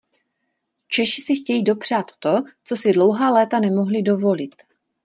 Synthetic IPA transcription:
t͡ʃɛʃɪsɪxcɛjiːdo̞pr̝̥at̪ːo̞t͡so̞sɪdlo̞wɦaːlɛːt̪anɛmo̞ɦlɪdo̞vo̞lɪt̪

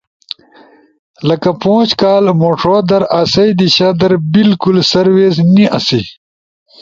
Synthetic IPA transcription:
lɐkɐpõːt͡ʃkaːlmoːʈʰoːd̪ɐɾaːsɐjd̪iɕɐd̪ɐɾbilkulsɐɾweːzniʔɐ̰si

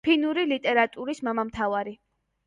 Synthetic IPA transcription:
pʰinuɾilit̪ʼɛɾat̪ʼuɾismamamt̪ʰavaɾi

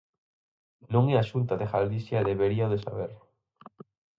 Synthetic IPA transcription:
nõŋeaʃunt̪aðexald̪isjaðeβeɾiaoðesa̰βeɾ

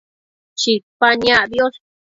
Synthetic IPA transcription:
t͡ʃipaɲãʔðjos

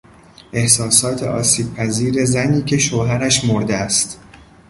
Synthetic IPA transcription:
ʔe̞hsɒːsɒːt̪ʰḛʔɒːsiːb̥̚pʰæziːɾe̞zæniːcʰe̞ʃoːɦæɾæʃmoɾd̪eæst̪

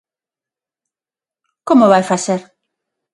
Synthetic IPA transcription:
komoβajfaseɾ

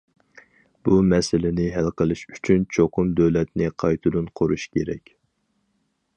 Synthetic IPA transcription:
b̥umɛsɪlɪnɪɦælqəlˠɨʃy̥t͡ʃʰynt͡ʃʰoqʰʊmd̪øwlɛt̪nɪqʰɑjt̪ʰɨd̪unqʰoɾuʃkʲeɾɛ̰kʲ

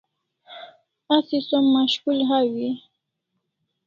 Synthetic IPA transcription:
asisomːaʃkulɦawi

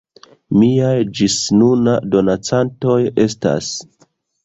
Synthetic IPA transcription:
miajd͡ʒisnunado̞nat͡santo̞je̞sta̰s

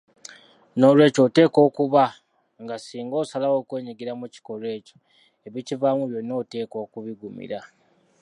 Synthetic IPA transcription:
no̞ːlwe̞ːco̞ːte̞ːko̞ːkuβa | ŋɡasiːŋɡo̞ːsalawo̞ːkwe̞ːɲiɡiɾamuci̥ko̞lwe̞ːco̞̥ | e̞βicivamuβjo̞no̞ːte̞ːko̞ːkuβiɡumḭɾa

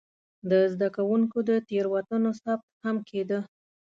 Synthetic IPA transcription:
d̪əzd̪akawuŋkod̪ət̪eɾwat̪ənosab̚t̪̚hamkʰed̪ə

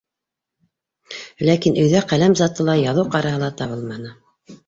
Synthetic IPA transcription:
lækinɵ̆jðæqælæmzɑt̪ɤlˠɑjɑðɤwqɑɾɑɦɤlˠɑt̪ɑβɤlˠmɑnɤ

